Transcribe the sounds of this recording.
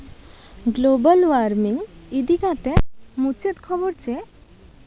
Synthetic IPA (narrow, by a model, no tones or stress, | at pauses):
ɡlobalʋaɾmiŋid̪ikat̪emut͡ɕet̪kʰɔboɾt͡ɕe